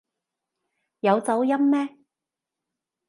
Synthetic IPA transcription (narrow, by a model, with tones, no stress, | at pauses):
jɐ˨˧wt͡sɐ˨˥wjɐ˥mːɛː˥